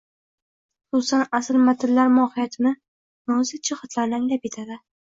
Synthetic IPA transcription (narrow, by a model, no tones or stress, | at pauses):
ʊ̥susanasɪlmat̪ʰɪlːaɾmɒːhɪjat̪ʰɪnɪ | nozɪt͡ʃʰɪχɑt̪ʰlaɾaŋlʲap̚et̪ʰad̪ɪ